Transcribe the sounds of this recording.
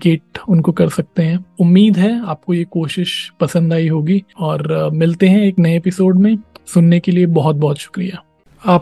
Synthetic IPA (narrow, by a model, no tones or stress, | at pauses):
keːʈʊnkokɐɾsɐk̚t̪eɦɛ̃ːʊmːiːd̪ɦɛaːp̚kojekoːʃɪʃpɐsə̃nd̪aːiɦoːɡiɔːɾmɪlt̪eɦɛ̃eːknɐjeepɪsoːɖmẽsʊnːekeliebɔɦʊt̪̚bɔɦʊt̪ʃʊ̥kɾijaː | aːp